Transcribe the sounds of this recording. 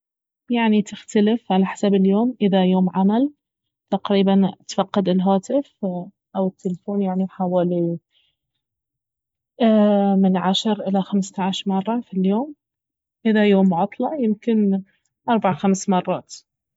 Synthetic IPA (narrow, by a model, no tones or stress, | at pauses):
jaʕnit̪ɪxt̪alɪfʕalaħḁsabɪljoːmʔɪðajoːmʕamal | t̪aqɾiːbant̪fɑqːɑd̪ɪlɦaːt̪ɪf | ʔawɪt̪ːɪlfoːnjaʕniħawaːli | mɪnʕaʃɾʔɪlaxamst̪aʕaʃɾmɑrˤːɑfiljoːm | ʔɪðajoːmʕɑt̪ˤlɑʕjɪmkɪn | ʔɑɾˤbaʕaxamsmɑrˤːɑːt̪